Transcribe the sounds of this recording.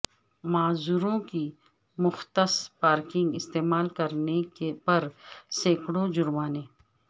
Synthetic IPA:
maːzuːɾõki | mʊxt̪əspaːɾkɪ̃ŋɡɪst̪eːmaːlkɐɾnekepɐɾseːkɽod͡ʒʊɾmaːneː

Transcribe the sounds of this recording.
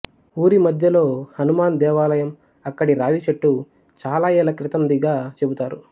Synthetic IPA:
uːɾimɐd̪ʱjɐlo̞ːhɐnumaːnd̪ɛːʋaːlɐjɐm | ɐkːɐɽiɾaːʋit͡ʃeʈːu | t͡ʃaːlaːjɛːlɐkɾit̪ɐmd̪iɡaːt͡ʃe̞but̪aːɾu

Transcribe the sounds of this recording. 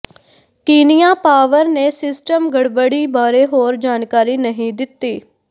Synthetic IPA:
kiːnɪjãːpaːʋəɾneːsɪsʈəmɡəɽbəɽiːbaːɾeːɦoːɾd͡ʒaːnkaːɾiːnəɦĩːd̪ɪt̪ːiː

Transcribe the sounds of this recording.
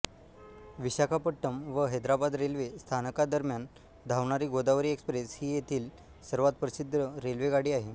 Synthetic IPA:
ʋiɕakʰapəʈːəmʋəɦed̪ɾabad̪ɾelʋest̪ʰanəkad̪əɾmjan | d̪ʱaʋɳaɾiːɡod̪aʋɾiːekspɾeshiːjet̪ʰiːl | səɾʋat̪̚pɾəsid̪ʱːəɾelʋeɡaɽiːaɦe

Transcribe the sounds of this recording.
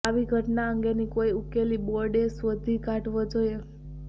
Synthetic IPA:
aʋiɡʱəʈnaəŋɡenikoiukeliboɾɖesʋəd̪ʱikãʈʋəd͡ʒoje

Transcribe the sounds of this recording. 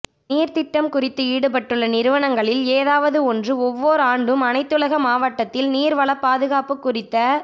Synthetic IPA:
niːɾt̪ɪʈːɐmkʊrɪt̪ːɯiːɽɯpɐʈːɯɭːɐnɪɾɯʋɐnɐŋɡɐɭɪleːðaːʋɐðɯɔndrɯɔʋːoːɾɯaːɳɖɯmɐnɐɪt̪ːɯlɐɣɐmaːʋɐʈːɐt̪ːɪlniːɾʋɐɭɐpːaːðɯɣaːpɯkːʊrɪt̪ːɐ

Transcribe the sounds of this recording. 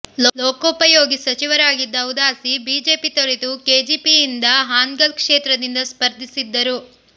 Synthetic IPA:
lɔlɔːkɐupɐjoːɡisɐt͡ʃiʋɐɾaːɡid̪ːɐud̪aːsibiːd͡ʒe̞ːpit̪ɐɭit̪ukeːd͡ʒiːpijind̪ɐɦaːŋɡɐlkʂeːt̪ɾɐd̪ind̪ɐspɐɾd̪ʱisid̪ːɐɾu

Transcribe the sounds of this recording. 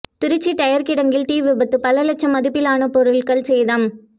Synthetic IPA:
t̪ɪɾɯt͡ʃːiʈɐjɐɾkɪɽɐŋɡɪlt̪iːʋɪbɐt̪ːɯpɐlɐlɐt͡ʃːɐmɐðɯpːɪlaːnɐpɔɾɯɭkɐɭsɛjðɐm

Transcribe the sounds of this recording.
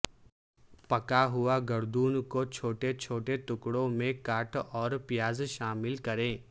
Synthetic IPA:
pɐkaɦʊaɡɐɾd̪uːnkot͡ʃʰoːʈet͡ʃʰoːʈet̪ʊkɽõmẽkaːʈʰɔːɾpɪjaːzʃaːmɪlkɐɾẽː

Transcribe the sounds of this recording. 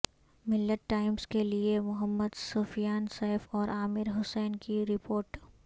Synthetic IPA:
mɪlːəʈːaːɪmskeliemʊɦəmːəd̪soːfijaːnsɛːɪfɔːɾʔaːmɪɾɦʊsɛːnkiɾɪpoːɾʈ

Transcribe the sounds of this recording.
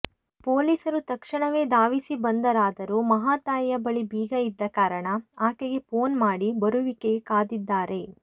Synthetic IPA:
poːliːsɐɾut̪ɐkʂɐɳɐʋe̞ːd̪aːʋisibɐnd̪ɐɾaːd̪ɐɾumɐɦaːt̪aːjɐjɐbɐɭibiːɡɐid̪ːɐkaːɾɐɳɐaːkeɡe̞po̞ːnmaːɽibɐɾuʋikeɡekaːd̪id̪ːaːɾe̞

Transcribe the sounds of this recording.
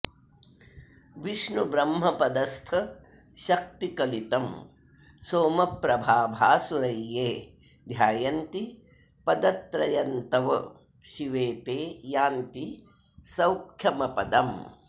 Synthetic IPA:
ʋiʂɳubɾɐmɦɐpɐd̪ɐst̪ʰɐ | ʃɐk̚t̪ikɐlit̪ɐm | soːmɐpɾɐbʱaːbʱaːsuɾɐjːeː | d̪ʱjaːjɐnt̪i | pɐd̪ɐt̪ɾɐjɐnt̪ɐʋɐ̰ | ʃiʋeːt̪eːjaːnt̪i | sɐwkʰjɐmɐpɐd̪ɐm

